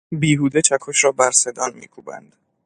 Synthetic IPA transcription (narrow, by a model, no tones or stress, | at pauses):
biːɦuːd̪et͡ʃʰækʰoʃɾɒːbæɾse̞d̪ɒːnmḭːkʰṵːbæ̰nd̪̥